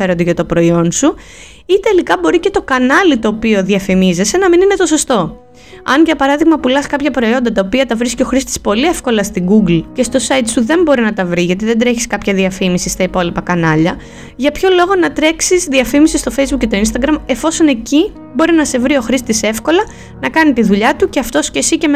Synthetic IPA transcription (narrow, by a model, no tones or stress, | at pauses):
eɾod̪eʝɐt̪o̞pɾo̞io̞nsu | it̪e̞likɐbo̞ɾice̞t̪o̞kɐnɐlit̪o̞ːpio̞ðiɐfimize̞se̞nɐminine̞t̪o̞so̞st̪o̞ | ɐnʝɐpɐɾɐðiɣmɐpulɐskɐpçɐpɾo̞io̞nd̪ɐt̪ɐopiɐt̪ɐvɾisceo̞xɾist̪i̥spo̞liefko̞lɐst̪iɡuɡlce̞st̪o̞sɐjt̪suðe̞mbo̞ɾinɐt̪ɐvɾiʝɐt̪̬iðend̪ɾe̞çi̥skɐpçɐðiɐfimisist̪ɐipo̞lipɐkɐnɐʎɐ | ʝɐpço̞lo̞ɣo̞nɐt̪ɾe̞ksizðiɐfimisist̪o̞fe̞jzbukcet̪o̞inst̪ɐɡɾɐme̞fo̞so̞ne̞ci | bo̞ɾinɐse̞vɾio̞xɾist̪ise̞fko̞lɐ | nɐkɐnit̪iðuʎɐt̪uce̞ɐft̪o̞sce̞sice̞m